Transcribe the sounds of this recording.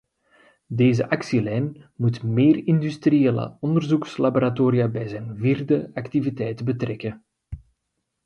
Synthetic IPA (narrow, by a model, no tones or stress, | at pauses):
deːzə̰ʔɑksilɛjnmutmeːrɪndystrieːlə̰ɔndərzukslaboːɾatoːɾijabɛjzɛjnviːrdəɑktivitɛjtbətrɛkə